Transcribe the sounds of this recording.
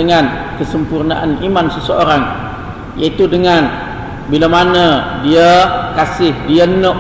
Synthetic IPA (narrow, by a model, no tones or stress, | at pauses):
əŋan | kəsəmpurnaʔa̰nimansəsəoɾaŋ | jait̪udəŋan | bilamanədiəkasɪhdiənə